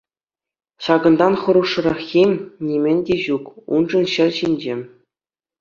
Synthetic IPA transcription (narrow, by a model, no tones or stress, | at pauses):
ɕɑɡɤ̆nd̪ɑnχɤ̆ɾuʂːɤ̆ɾɑχxʲemʲnʲimʲɘ̆nʲdʲeʑukṵnʐɤ̆nɕɘ̆rʲɕinʲd͡ʑĕ